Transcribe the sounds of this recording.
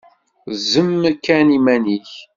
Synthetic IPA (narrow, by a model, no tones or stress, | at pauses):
zəmːkːænimæniç